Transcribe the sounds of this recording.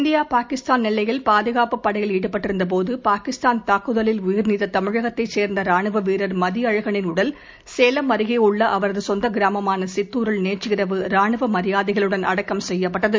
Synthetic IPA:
nd̪ɪjaːpaːkɪst̪aːnnɪlːɐjɪlpaːðɐɣaːpɯpːɐɽɐjɐliːɽɯpːɐʈːɪɾɯnd̪ɐp̬oːðɯpaːkɪst̪aːnt̪aːkːɯðɐlɪlʊjɪɾniːðɐt̪ɐmɪɻɐɣɐt̪ːɐɪt͡ʃːeːɾnd̪ɐɾaːɳɯʋɐʋiːɾɐɾmɐðɪɐɻɐɣɐɳɪnɯɽɐl | seːlɐmɐɾɯɣeʊɭːɐʔɐʋɐɾɐðɯsɔnd̪ɐɡɪɾaːmɐmaːnɐsɪt̪ːuːɾɯɭneːt͡ʃːɯɣɪrɐʋɯɾaːɳɯʋɐmɐɾɪjaːðɪɣɐɭɯɽɐnʔɐ̰ɽɐkːɐmsɛjːɐpːɐʈːɐðɯ

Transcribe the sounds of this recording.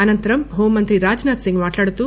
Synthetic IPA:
ɐnɐnt̪ɐɾɐmɦoːmːɐnt̪ɾiɾaːd͡ʒnaːt̪siŋɡmaːʈlaːɽut̪uː

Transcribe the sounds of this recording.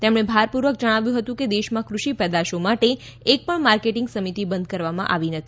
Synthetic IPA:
t̪emɽ̃ebʱaɾpuɾʋək̚d͡ʒəɽ̃aʋjũɦət̪ũked̪eʃmãkɾuʃipəd̪aʃomaʈeː | k̚pəɳmaɾkeʈɪŋɡsəmit̪ibənd̪̚kəɾʋamã̰ʔaʋinət̪ʰi

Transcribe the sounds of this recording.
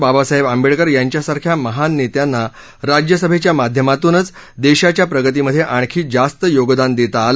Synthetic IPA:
babasaɦebambeɭkəɾjaɲt͡ɕjasaɾkʰjaməɦanːet̪janːa | ɾad͡ʑjəsəbʱet͡ɕjamad̪ʱjəmat̪uːnət͡s | d̪eɕat͡ɕjapɾəɡət̪iməd̪ʱːjeʔaɳ̃kʰiːd͡zast̪əjoɡd̪and̪et̪aːl

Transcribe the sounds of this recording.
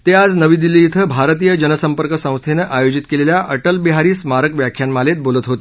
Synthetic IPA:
t̪ead͡znəʋiːd̪ilːiːt̪ʰəbʱaɾt̪̬ijəd͡ʑənəsəmpəɾkəsə̃w̃st̪ʰenəʔajod͡ʑit̪keleljaʔəʈəlbiɦaɾiːsmaɾəkʋjakʰːjanmalet̪̚bolət̪ɦot̪e̥

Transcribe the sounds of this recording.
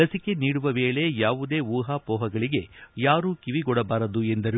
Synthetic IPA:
ɐsike̞niːɽuʋɐʋeːɭe̞jaːʋud̪e̞ːʋuːɦaːpɔːɦɐɡɐɭiɡe̞jaːɾuːkiʋiɡɔɽɐbaːɾɐd̪uend̪ɐɾi

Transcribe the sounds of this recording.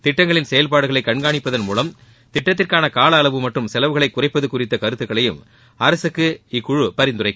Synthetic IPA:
t̪ɪʈːɐŋɡɐɭɪnsɛjɐlpaːɽɯɣɐɭɐɪkːɐɳɡaːɳɪpːɐðɐnmuːlɐm | t̪ɪʈːɐt̪̬ːɪrkaːnɐkaːlɐːlɐʋɯmɐʈrɯmsɛlɐʋɯɣɐɭɐɪkːʊrɐɪpːɐðɯkːʊrɪt̪ːɐkɐɾɯt̪ːɯkːɐɭɐjɯm | ɐɾɐsɯkːɯɪkːʊɻɯpɐɾɪnd̪ʊrɐɪkːɯ

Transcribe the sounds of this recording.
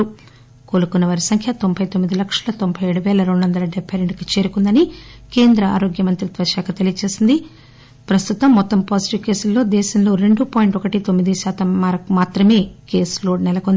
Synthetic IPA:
u | ko̞ːlukunːɐʋaːɾisɐŋkʰjɐt̪o̞mbʰʱɐjt̪o̞mːid̪ilɐkʂɐlɐt̪o̞mpʰɐjeːɽuʋɛːlɐɾeɳɖuʋɐnd̪ɐlɐɖɛbʱːɐjɾeɳɖkit͡ʃe̞ːɾukund̪ɐnike̞ːnd̪ɾɐa̰ːɾo̞ːɡjɐmɐnt̪ɾit̪ʋɐʃaːkʰɐt̪elijɐt͡ʃe̞ːsind̪i | pɾɐst̪ut̪ɐmːɔt̪ːɐmpaːsi̥ʈiʋke̞ːsulːo̞ːd̪ɛːʃɐmlo̞ːɾe̞ɳɖupaːjiɳʈɔkɐʈit̪omːid̪iʃaːt̪ɐmːaɾːaːt̪ɾɐme̞ːke̞ːslo̞ːɖnɛlɐkond̪i

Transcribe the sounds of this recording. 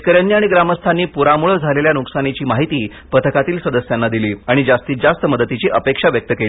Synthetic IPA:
kəɾjanːiːaɽ̃iɡɾaməst̪ʰanːiːpuɾamuɭəd͡zʱaleljanuksañit͡ɕiːmaɦit̪iː | pət̪ʰəkat̪iːlsəd̪əsjanːad̪iliːaɽ̃id͡zast̪iːd͡zast̪əməd̪ət̪it͡ɕiːʔəpekʂaʋjək̚t̪əkeli

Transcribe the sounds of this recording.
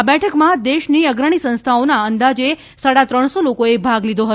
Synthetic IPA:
abɛʈʰəkmãd̪eʃniəɡɾəɽ̃isə̃nst̪ʰaonaənd̪ad͡ʒe | saɽat̪ɾəɳ̃solokoebʱaɡlid̪ʱoɦət

